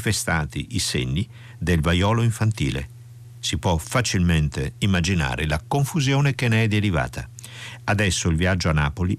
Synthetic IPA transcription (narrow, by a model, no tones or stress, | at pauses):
fest̪aːt̪ḭʔisḛɲːi | d̪elvajɔːloiɱfant̪ḭːlḛ | sipwɔfat͡ʃilment̪eimːad͡ʒina̰ːɾelakoɱfuzjoːnekeneɛd̪eɾiva̰ːt̪a̰ | ad̪ɛsːoilvjiad͡ʒːoanːaːpoli